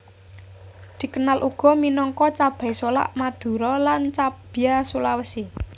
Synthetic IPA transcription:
d̪̥i̤kənalʔuɡ̥ɔ̤minɔŋkɔt͡ʃab̥a̤jsola̰ʔmad̪̥ṳɾɔlant͡ʃab̥iasulawəsi

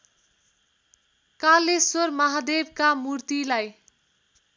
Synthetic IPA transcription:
kalːesormʌɦad̪eb̚kamurt̪ilaj

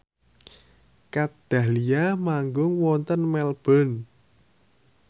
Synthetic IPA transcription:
kad̪̥a̤hliamaŋɡʊŋwɔnt̪ənmɛlb̥ɔ̤n

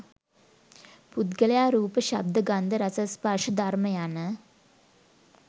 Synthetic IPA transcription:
pud̪ɡələjaːɾuːpəɕab̚d̪əɡand̪əɾɐsəspaʂəd̪ʱarməjanə

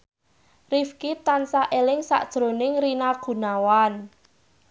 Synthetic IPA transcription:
rifkit̪ansaʔelɪŋsa̰ʔd̥ʒ̥ɾonɪŋrinaɡ̥ṳnawan

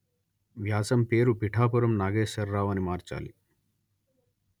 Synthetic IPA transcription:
ʋjaːsɐmpe̞ːɾupiʈʰaːpuɾɐmnaːɡeːʃɐɾːaːʋɐnimaːɾt͡ʃa̰ːli

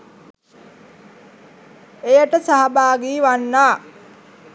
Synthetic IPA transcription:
ejəʈəsaɦabaːɡiːʋanːaː

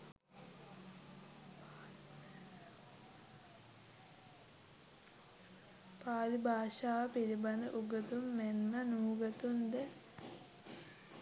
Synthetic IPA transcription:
paːlibʱaːʃaːʋəpiɾiband̪əʔuɡət̪umːenːanuːɡət̪und̪ə

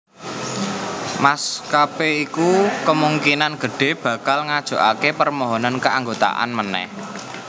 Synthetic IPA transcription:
maskapeikukəmuŋkinanɡ̥ə̤ɖ̥e̤b̥ä̤kalŋad̥ʒ̥o̤ʔakepərmɔɦɔnankəaŋɡot̪a̰ʔa̰nmənɛ̰h

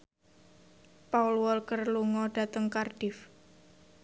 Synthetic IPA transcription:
paulwɔlkərluŋɔɖ̥a̤t̪əŋkard̥ɪf

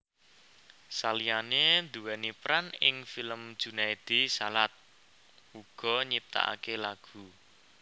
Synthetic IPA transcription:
salijanend̪uwɛnipɾanɪ̰ŋfiləmd̥d͡ʒ̥ṳnaid̪̥isalat̪̚ | uɡ̥ɔ̤ɲip̚t̪a̰ʔa̰kelaɡ̥ṳ

